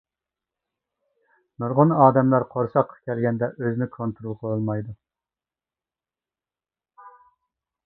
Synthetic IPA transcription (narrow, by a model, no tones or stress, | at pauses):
noɾʁʊnɑːd̪ɛmlæɾqʰoɾsɑqʰːɑ̥kʲʰɛlɡʲɛnd̪ɛʔøznɪkʰont̪ɾolˠqʰəlolˠmɑjd̪u